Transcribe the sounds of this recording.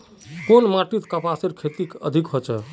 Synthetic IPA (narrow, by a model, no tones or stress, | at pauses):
konmaʈit̪kəpaseɾkʰet̪ikə̰d̪ʱikɦot͡ʃɛ